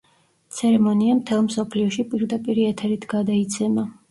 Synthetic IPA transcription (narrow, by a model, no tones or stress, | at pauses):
t̪sʰɛɾɛmɔniamt̪ʰɛlˠmsɔpʰliɔʃipʼiɾd̪apʼiɾiɛt̪ʰɛɾit̪ʰɡ̥ad̪ait̪sʰɛma